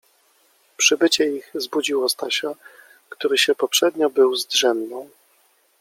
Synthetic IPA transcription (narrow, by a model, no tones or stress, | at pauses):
pʂɘbɘt͡ɕɛiɣzbud͡ʑiwɔst̪aɕa | kt̪uɾɘɕɛpɔpʂɛd̪ɲɔbɘwzd̪ʐɛmnɔ̃w̃